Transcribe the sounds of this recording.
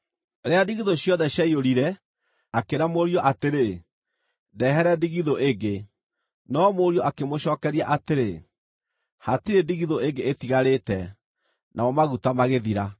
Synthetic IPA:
ɾeadiɣiðoɕjɔðɛɕjaioɾiɾɛ | akeɾamoɾiɔʔateɾe | dɛːɦɛɾɛdiɣiðoʔeŋɡe | nɔmoɾiɔakemoɕɔːkɛɾiaʔateɾe | hatiɾediɣiðoeŋɡeetiɣaɾetɛ | nʔaɔmaɣutamaɣeðiɾa

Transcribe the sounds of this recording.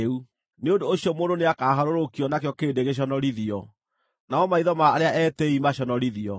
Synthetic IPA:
u | neondoːɕijɔmoːndoneakaːɦaɾoɾokiɔnakjɔkeːdeɣeɕ̬ɔnɔɾiðiɔ | naɔmaiðɔmaːɾeaʔɛtɛimaɕɔnɔɾiðiɔ

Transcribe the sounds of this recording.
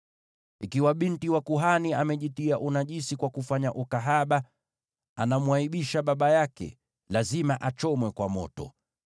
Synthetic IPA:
ikiwaɓintiwakuɦaniamɛʄitiaʔunaʄisikwakufaɲaʔukaɦaɓa | anamwaiɓiʃaɓaɓajakɛ̰ | lazimaʔat͡ʃɔmwɛkwamɔ̰tɔ̰

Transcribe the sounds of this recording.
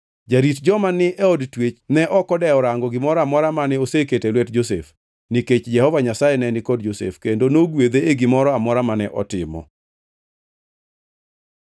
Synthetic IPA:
d͡ʒaɾitd͡ʒɔmanːɪeɔdtwet͡ʃnɛʔɔkɔdɛɔɾaŋɡɔɡɪmɔɾɔamɔɾamanɛoseketelwɛtd͡ʒosḛf | niket͡ʃd͡ʒɛhɔvaɲasajɛnɛnɪkɔd̚d͡ʒosḛfkendonoɡwed̪eeɡɪmɔɾɔamɔɾamanɛʔɔtɪmɔ̰

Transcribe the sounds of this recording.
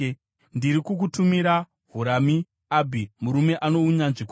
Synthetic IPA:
ndiɾikukutumiɾa | ɦuɾami | abʱimuɾume̞ʔano̞uɲanʐik

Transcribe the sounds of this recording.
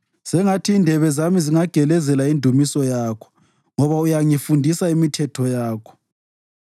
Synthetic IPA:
sɛŋatʰiːndʱɛβɛzamiziŋaɡ̥ʱɛlɛzɛlaindʱumisɔjaːkʰɔ̥ | ŋɔβaujaŋifundʱisaimitʰɛtʰɔjaːkʰɔ̥

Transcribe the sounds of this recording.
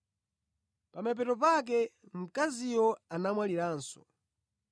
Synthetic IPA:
pamɛp̬ɛtɔp̬ak̬ɛm̩kazijɔanamwaliɾaːnsɔ̥

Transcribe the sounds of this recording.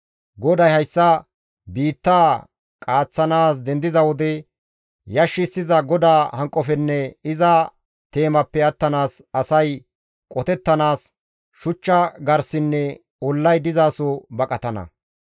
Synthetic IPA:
ɡɔd̪ɐjhɐjsːɐ | biːt̪ːaː | kʼaːt͡sːɐnaːsd̪ɛnd̪ɪzɐwɔd̪ɛ | jɐʃːɪsːɪzɐɡɔd̪aːhɐŋkʼɔfɛnːɛɪzɐ | t̪e̞ːmɐpːɛɐt̪ːɐnaːsɐsɐj | kʼɔt̪ɛt̪ːɐnaːs | ʃʊt͡ʃːɐɡɐɾsɪnːɛ | ɔlːɐjd̪ɪzaːsɔbɐkʼɐt̪ɐnɐ̰

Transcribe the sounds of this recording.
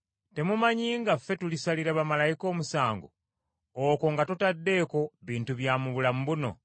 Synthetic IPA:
te̞mumaɲiːŋɡafːe̞tulisaliɾaβamalajiko̞ːmusaːŋɡo̰ | oko̞ŋɡatotadːe̞ːko̞βiːntuβjaːmuβulamuβuno̞̰

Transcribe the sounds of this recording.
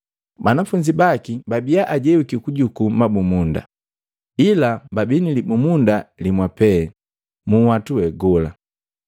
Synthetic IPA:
banafuɲd͡ʒibakibabijaʔaɟɛukikuɟukumabumunda̰ | ilababinilibumundalimwapɛ | muwatuwɛɡɔla̰

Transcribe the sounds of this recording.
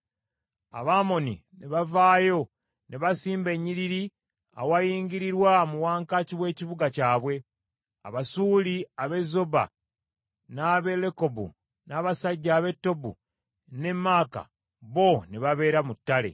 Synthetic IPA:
a̰βamo̞nineβavaːjo̞ | neβasiːmbe̞ɲːiɾiɾi | a̰wajiːŋɡiɾiɾwamuwaːŋkaciwe̞ːciβuɡacaːβwe̞ | a̰βasuːliaβe̞zo̞ba̰ | naβe̞le̞ko̞bṵ | naːβasaɟːaːβe̞tːo̞bṵ | ne̞mːaːka̰ | βo̞neβaβe̞ːɾamutːale̞̰

